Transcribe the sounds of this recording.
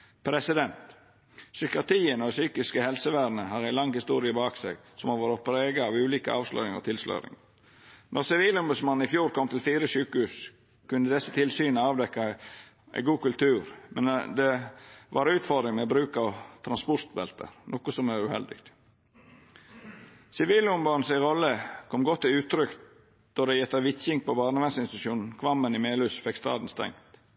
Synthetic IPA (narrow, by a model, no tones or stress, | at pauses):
pʰɾɛsɪd̪ɛnt̪ | sʏkɪɑt̪ʰiːənosyːkɪskəhɛlsəʋæːɾnəɦɑɾæɪlɑŋhɪst̪uːɾɪəbɑːksɛ̰ɡsɔmhɑʋoːɾəpʰɾeːɡəɑːʋʉːliːkə̰ɑ̰ːʋslœ̰ʏɪŋɔ̰t̪ʰɪlslœ̰ʏɾɪ̰ŋ | nʔɔɾsɪʋiːlɔmbʉd̪smɑn̩ɪfjuːɾkʰɔmt̪ʰɪlfiːɾəsyːkəhʉːs | kʉnd̪əd̪ɛsːət̪ʰɪlsyːnəɑːʋd̪ɛkːɑ | æ̰ɪɡuːkʉlt̪ʰʉːɾmɛnd̪ɛʋɑɾʉːt̪fɔɾd̪ɾɪŋmɛobɾʉːkɑʋt̪ʰɾɑnspʊɾt̪bɛ̰lt̪ʰə̰ɾnɔkʊsɔmæɾʉhɛ̰ld̪ɪ̰ɡt̪ | sɪʋiːlʊmbɑn̩sæɪɾɔlːəkʰɔmɡɔt̪ːɪʉːt̪ʰɾʏk | d̪̥ɔd̪ɛjɛt̪ːɑʋɪt̪çɪŋk̚pɔbɑːɾnəʋɛnsɪnst̪ʂuːnn̩kʰʋɑmːənɪmeːlʉːsfɛkst̪ɑ̰ːd̪n̩st̪ɛ̰ŋt̪